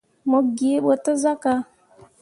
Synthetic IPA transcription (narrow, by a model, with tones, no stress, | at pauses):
mo˨ɡi˨˦ɓo˨tə˦za˦ka˨